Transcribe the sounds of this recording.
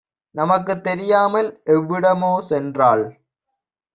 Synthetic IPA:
nɐmɐk̬ːɯt̪ːɛɾɪjaːmɐlʔɛʋːɪɽɐmoːsɛndraːɭ

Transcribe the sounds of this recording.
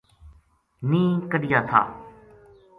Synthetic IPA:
nĩːkəɖɪjaːt̪ʰa̰ː

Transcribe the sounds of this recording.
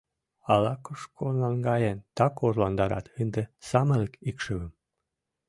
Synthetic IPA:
ɑlɑkoʃkʰonlɑnɡɑjent̪ɑkorlɑnd̪ɑɾɑ̰t̪ənd̪ĕsɑməlkikʃəβəm

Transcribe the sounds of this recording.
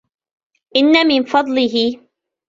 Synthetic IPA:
ʔɪnːamɪnfɑd̪ˤlɪɦɪ

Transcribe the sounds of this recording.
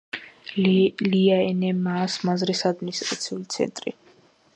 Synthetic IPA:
liaɛnɛmaːsmazɾisad̪̚minist̪ʼɾat̪sʰiulit̪sʰɛ̰nt̪ʼɾḭ

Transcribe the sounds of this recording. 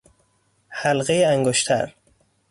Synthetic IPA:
hælɣejeæŋɡoʃt̪ʰæ̰ɾ

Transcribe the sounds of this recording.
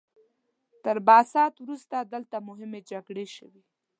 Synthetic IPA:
t̪əɾbɑsɑt̪wɾust̪ad̪əlt̪amʊɦɪmed͡ʒaɡɽeʃəwi

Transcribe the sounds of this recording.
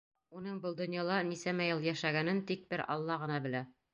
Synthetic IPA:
unɤɴbɤlˠd̪ŏnjɑlˠɑnisæmæjɤlˠjæʃæɡænɘnt̪ik̚bɘɾɑ̰lˠːɑʁɤ̆nɑbɘ̆læ

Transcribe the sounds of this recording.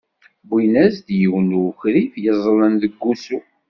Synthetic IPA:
binæzd̪jəwnuçɾifjəzˤlənðəɡːusu

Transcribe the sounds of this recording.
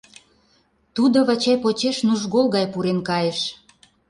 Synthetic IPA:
t̪ud̪oβɑt͡ɕɑjpot͡ɕeʃnuʒɣolˠɣɑjpuɾenkɑjeʃ

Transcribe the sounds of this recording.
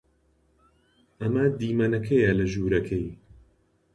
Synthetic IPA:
ɐmɐd̪iːmɐnɐkʰɐjalɐʒuːɾɐkʰɐj

